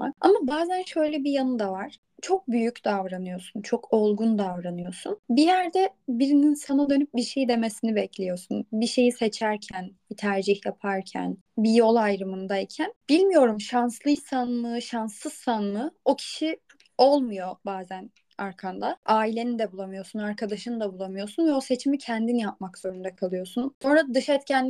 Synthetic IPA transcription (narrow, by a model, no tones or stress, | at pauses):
ma̰k̚amabaːzænʃø̞jlʲɛbijanɯd̪avaɾ̥ | t͡ʃʰo̞k̚byjycd̪avɾanɯjo̞sunt͡ʃʰo̞kʰo̞lˠɡund̪avɾanɯjo̞sunbijæɾd̪ɛbiɾininsanad̪ønyp̚biɾʃe̞jid̪e̞mesinibɛclʲijo̞sunbiʃe̞jise̞t͡ʃʰæɾcʰænbit̪ʰæɾd͡ʒihjapʰaɾcʰæ̰n | bijo̞lˠajɾɯmɯnd̪aicʰænb̥ilʲmijo̞ɾumʃanslˠɯjsanlˠɯːʃansɯzsanlˠɯːo̞cʰi̥ʃi | o̞lˠmujo̞baːzæn | aɾkʰand̪aaːilʲe̞nid̪ɛbulˠamɯjo̞sunaɾkʰad̪aʃɯnɯd̪abulˠamɯjo̞sunvɛo̞se̞t͡ʃʰimicʰɛnd̪injap̚makz̥o̞ɾund̪akʰalˠɯjo̞sunso̞nɾad̪ɯʃɛt̪cʰæn